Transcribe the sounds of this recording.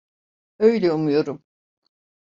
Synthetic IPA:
øjlʲɛumujo̞ɾum

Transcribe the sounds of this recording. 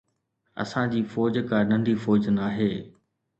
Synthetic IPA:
ɐ̰sãd͡ʑiːfɔːd͡ʑkãnɐ̃nd̪ifɔːd͡ʑnaːɦeː

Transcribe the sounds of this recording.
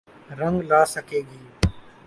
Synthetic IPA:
ɾə̃ŋɡlaːsəkeːɡiː

